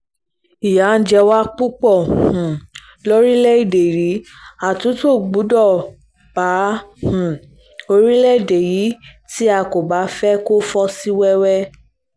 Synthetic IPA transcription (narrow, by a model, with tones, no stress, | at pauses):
i˨ja˨˦n̩˦d͡ʒɛ˧wa˦k͡pu˦k͡pɔ˦˨hũ˨ | lo˦ɾi˦lɛ˦i˦˨de˨ɾi˨˦ | a˨tũ˨˦to˦˨ɡ͡bu˨˦dɔ˦˨ | b̥a˨˦hũ˨ | o˧ɾi˦lɛ˦˨de˨ji˨˦ti˦a˧˨ko˨ba˨˦fɛ˦ko˦fɔ˦si˦wɛ˦wɛ˦